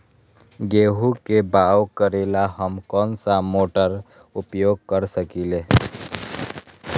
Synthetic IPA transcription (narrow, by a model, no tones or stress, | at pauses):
ɡeːɦukebaːwkəɾeːlaɦəmkɔːnsamoːʈəɾ | ʊpjoːɡ̚kəɾsəkile